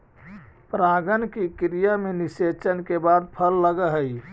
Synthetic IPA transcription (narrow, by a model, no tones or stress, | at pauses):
pɾaɡənkikɾijameniset͡ʃənkebad̪̚pʰəlːəɡəɦəj